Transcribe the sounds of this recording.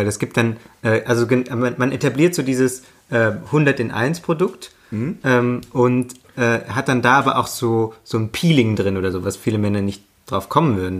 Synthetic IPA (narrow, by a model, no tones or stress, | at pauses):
aɪlɛsɡ̥iːp̚t̚d̥anʔɛːʔalzoɡəmamanʔetabliːɐtz̥oːdiːzəs | ʔɛːhʊndɐtɪnʔa̰ɪnspʁ̥odʊkt | ʔɛːmʔʊnt | ʔɛːɦat̚d̥andaːʔaːbɐʔa̰ʊxz̥oːz̥oːnpʰiːlɪŋdʁɪnʔoːdɐzoːvasfiːləmɛnɐnɪçt̚ | d̥ʁaʊfkʰɔmənvʏɐdn̩